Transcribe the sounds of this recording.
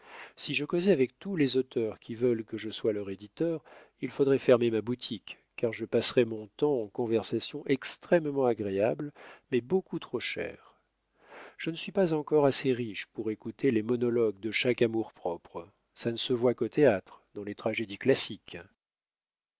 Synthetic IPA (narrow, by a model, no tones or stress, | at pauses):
siʒəkozɛavɛk̚t̪ulezot̪ʰœʁkʲivœlkəʒəswalœʁed̪it̪œʁ | ilfod̪ʁɛfɛʁmemabut̪ʰikː | aʁʒəpasʁɛmɔ̃t̪ɑ̃ːkɔ̃vɛʁsasjɔ̃ʔɛkst̪χɛmmɑ̃aɡʁeablmɛbokut̪χoʃɛ̰ʁ | ʒ̥ənəsɥipazɑ̃kɔʁaseʁiʃpuʁekut̪elemɔnɔlɔɡ̚d̪əʃakamuʁpχɔpχ | sanəsəvwakot̪ʰeat̪χd̪ɑ̃let̪χaʒed̪iklasik